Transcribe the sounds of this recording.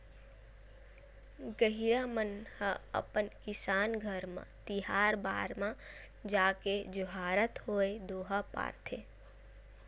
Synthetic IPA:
ɡəɦiɾamənhəə̰pənkɪsaːnɡʱəɾmã̰t̪iɦaːɾba̰ːɾmã | d͡ʒaːked͡ʒoɦaːɾət̪hoːed̪oːɦapa̰ːɾt̪ʰḛ

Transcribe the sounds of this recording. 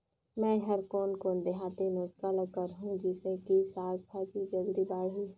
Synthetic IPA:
mɛ̃ːɦəɾkoːnkoːnd̪eɦaːt̪enoːskaləkəɾɦũd͡ʒɪsekisaːɡ̚pʰaːd͡ʒid͡ʒəɡɾibaːɽɦu

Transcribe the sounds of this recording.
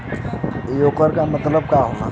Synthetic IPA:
jokəɾkamət̪ləb̚kaɦona̰

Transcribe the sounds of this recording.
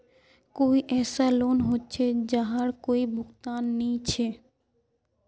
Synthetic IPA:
koiʔɛsalonɦotːɕʰed͡ʑaɦaɾkoibʱukt̪anːijt͡ɕʰe

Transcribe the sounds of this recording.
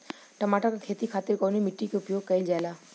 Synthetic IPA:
ʈəmaʈakakʰet̪ikʰaːt̪ɪɾkɔnimɪʈːikeʊpjoɡ̚kəild͡ʒaelaː

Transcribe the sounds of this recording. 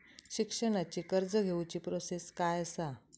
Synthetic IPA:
ɕikʂəɽ̃at͡ɕiːkəɾd͡zəɡʱewt͡ɕiːpɾoseskajəsa

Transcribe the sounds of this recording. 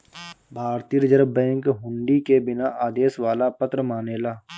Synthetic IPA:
bʱaːɾt̪ijəɾd͡ʒəɾəbːɛ̃ːŋkɦʊ̃ɳɖikebɪnaʔaːd̪eːsʋaːlapət̪ɾəmaːneːlaː

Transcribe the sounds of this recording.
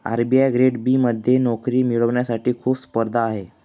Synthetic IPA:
a̰ɾbiːajɡɾeɽbiːməd̪ʱjenɔkɾiːmiɭəʋɳjasaʈiːkʰuːpspəɾd̪ʱaːɦe

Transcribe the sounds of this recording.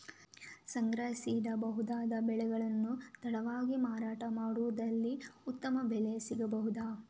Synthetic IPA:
sɐŋɡɾɐɦisiːd̪ɐbɐɦud̪aːd̪ɐbɛɭɛɡɐɭɐnːut̪ʰɐɽɐʋaːɡimaːɾaːʈɐmaːɽuʋud̪ɐlːiut̪ːɐmɐbɛlesiɡɐbɐɦud̪aː

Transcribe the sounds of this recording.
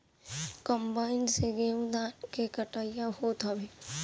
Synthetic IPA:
kəmbaːɪnseɡeːwd̪aːnkekəʈaːijaɦoːt̪əbeː

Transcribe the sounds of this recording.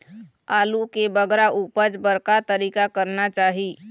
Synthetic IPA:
aːlukebəɡɾaʔuːpət͡ʃbəɾkat̪əɾiːkakəɾnat͡ʃaːɦi

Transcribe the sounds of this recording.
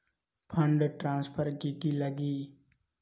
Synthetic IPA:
pʰə̃ɳɖʈɾãːnspʰəɾkikiləɡiː

